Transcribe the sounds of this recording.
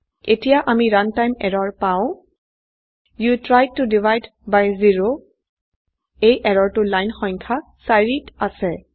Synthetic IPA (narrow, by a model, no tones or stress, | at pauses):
etijaʔamiɹantajmɛɹɔɹpaʊ̃ | jutɹaj̚tudivajd | bajziɹo | ejʔɛɹɔɹtʊlajnxɔjŋkʰa | saɹitasɛ